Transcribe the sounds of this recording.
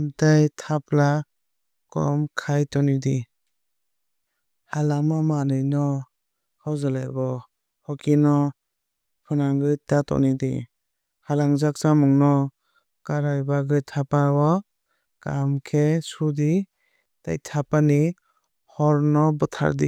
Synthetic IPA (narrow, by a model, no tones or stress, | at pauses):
mtajtʰapla | kɔ̰mkʰajtɔnidi | halaŋmɔmanɯjnɔ | hɔwzalajbɔ | hɔkinɔ | pʰɯnaŋɡɯjtatɔ̰nidḭ | halaŋzak̚samɔŋnɔ | kaɾajbaɡɯjtʰapabɔ | kamkʰesudi | ta̰jtʰapani | hɔɾnɔbɯtʰa̰ɾdḭ